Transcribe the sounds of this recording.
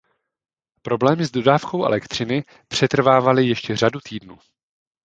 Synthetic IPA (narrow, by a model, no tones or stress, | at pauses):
pɾo̞blɛːmɪzdo̞daːfko̞wʔɛ̰lɛkt̪r̥ɪnɪ | pr̝̥ɛt̪r̩vaːvalɪjɛʃcɛr̝adut̪iːdnuː